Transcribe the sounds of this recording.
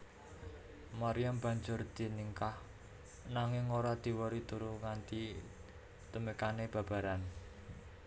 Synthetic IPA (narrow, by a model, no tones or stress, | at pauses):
maɾiamb̥a̤ɲd͡ʒʊrd̪̥i̤niŋkah | naŋɪŋːoɾad̪̥i̤woɾit̪uɾuŋand̪i | t̪əmekaneb̥a̤b̥a̤ɾan